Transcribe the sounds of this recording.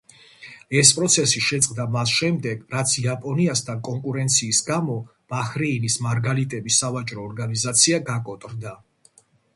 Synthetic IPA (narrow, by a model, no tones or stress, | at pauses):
ɛspʼɾɔt̪sʰɛsiʃɛt̪sʼqʼd̪amasʃɛmd̪ɛɡɾat̪sʰiapʼɔniast̪ʰankʼɔŋkʼuɾɛnt̪sʰiːsɡamɔb̥aχɾɛinismaɾɡalit̪ʼɛbisavat͡ʃʼɾɔːɾɡanizat̪sʰiaɡakʼɔt̪ʼɾd̪a